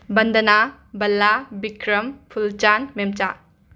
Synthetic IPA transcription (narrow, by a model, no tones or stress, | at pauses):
bɐnd̪ɐna | bɐlːabikɾɐmpʰult͡ʃanmemt͡ʃa